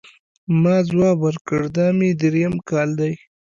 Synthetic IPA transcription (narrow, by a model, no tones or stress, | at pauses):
mɑːzwɑːbəɾkəɽd̪ɑːmid̪ɾjamkɑːld̪aj